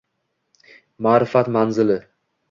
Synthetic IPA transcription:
maːɾɪfat̪manzɪlɪ

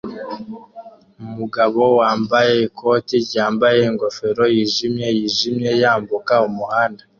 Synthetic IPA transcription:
umuɡaβo̞waːmbaje̞kʰo̞ːtiɟaːmbaje̞ŋɡo̞fe̞ɾo̞jiʒimje̞jiʒimje̞jaːmbukaumuhaːnda

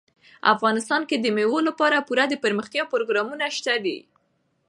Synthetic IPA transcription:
a̰fɣɑnɪst̪ɑnked̪əmewolapɑɾapuɾad̪əpəɾməxt̪jɑpɾoɡɾɑmunaʃt̪ad̪ḭ

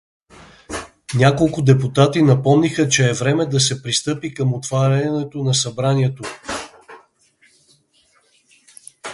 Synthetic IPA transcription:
nʲakolˠkʊd̪ɛpʊt̪at̪inɐpɔmnixət͡ʃɛːvɾɛmɛd̪ɐsɛpɾist̪ɤpikəmot̪vaɾanɛt̪onɐsɐbɾaniɛt̪o

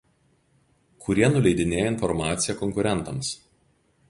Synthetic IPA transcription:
kʰʊɾʲiɛnʊlʲɛɪd̪ʲɪnʲeːjoɪnfɔɾmɑːt̪sʲɪjɛkɔŋʲkʊɾʲɛnˑt̪ɐms

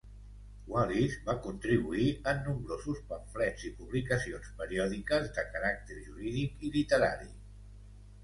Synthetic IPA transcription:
walizbakunt̪ɾiβ̞uiənːumbɾozuspəɱflɛzipuβlikəsionspəɾiɔðikəzðəkəɾak̚t̪eɾʒuɾiðikilit̪əɾa̰ɾi

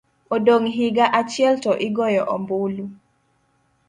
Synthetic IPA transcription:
odoŋɦiɡaʔat͡ʃjɛltɔʔɪɡɔjɔʔɔmbʊlu

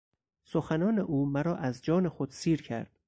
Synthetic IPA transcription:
soxænɒːne̞ʔuːmæɾɒːʔæzd͡ʒɒːne̞xod̪̥siːɾcʰæ̰ɾd̪̥

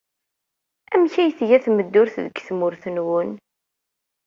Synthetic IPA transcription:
æmçæjθʝæθməd̪ːʊɾθðəɡθmʊɾθənwən

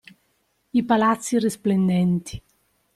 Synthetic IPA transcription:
ipalat̪sːirisplend̪ɛnt̪ʰi̥

